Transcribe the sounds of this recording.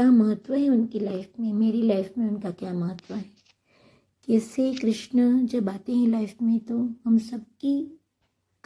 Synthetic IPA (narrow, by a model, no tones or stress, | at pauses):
aːmɐɦət̪ːwəɦɛʊnkilaːɪfmẽmeːɾelaːɪfmẽʊnkakjaːmɐɦət̪ːwəɦɛː | kɛːsekɾɪʃnəd͡ʒɐbbaːt̪ẽɦɛ̃laːɪfmẽt̪oɦɐmsɐb̚ki | k